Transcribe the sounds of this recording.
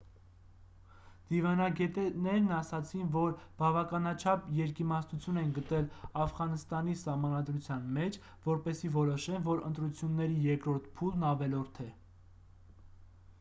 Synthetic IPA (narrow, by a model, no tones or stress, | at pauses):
d̪̥ivɑnɑɡɛt̪ɛnɛɾnɑsɑt͡sʰinvɔɾb̥ɑvɑkɑnɑt͡ʃʰɑpjɛɾkimɑsnut͡sʰjunɛnɡət̪ɛlɑfʁɑnəst̪ɑnisɑhmɑnɑd̪ɾut͡sʰjɑn̪mɛt͡ʃʰ | vɔɾpɛsivɔɾɔʃɛnvɔɾə̰nt̪ɾut͡sʰjunːɛɾijɛɾkɾɔɾt̪̚ʰpʰulnɑvɛlɔɾt̪ʰɛ